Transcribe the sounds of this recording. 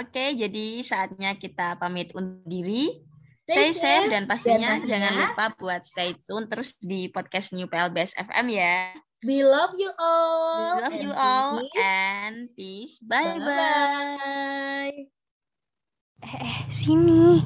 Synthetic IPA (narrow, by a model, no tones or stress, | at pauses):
oked͡ʒadisaːt̪̚ɲakit̪apamit̪unt̪̚diɾi | sajsɛfdanpast̪iɲad͡ʒaŋanlupabuat̪̚st̪eit̪ʊnt̪əɾʊsdipɔd̪̚kɛst̪nijupeɛlbeɛsɛ̰fɛ̰mja | wilɔfjuʔɔlwilafjuʔɔlɛnpisbajba | j | ɛɛhsini